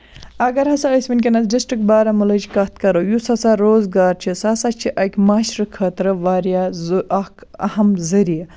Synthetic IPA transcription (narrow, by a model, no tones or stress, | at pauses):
ɐɡɐɾɦɐsɐəsʲmink̬ʲenɐt͡sɖisʈɾikbaːɾɐmulɐd͡ʒikɐt̪kɐɾojusɐsaɾoːzɡaːɾt͡ʃʰisɐsat͡ʃʰiʔɐkʲmaːʃɾɨkʰɐːt̪ɾɨʋaːɾijazɐkɐ̰hɐmzɐɾijɐ